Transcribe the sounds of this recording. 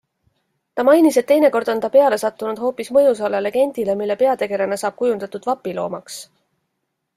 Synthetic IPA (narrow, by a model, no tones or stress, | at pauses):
t̪ɑmɑjniset̪ːejne̞ko̞rd̪̥o̞nt̪ɑpe̞ɑle̞sɑt̪ːunud̪̥ɦo̞ːpismɤjus̬ɑlele̞ɡ̥e̞nʲd̪̥ile̞milːe̞pe̞ɑt̪e̞ɡe̞lɑnɑsɑːb̥kujund̪̥ɑt̪ːud̪vɑpːˑilo̞̰ːmɑks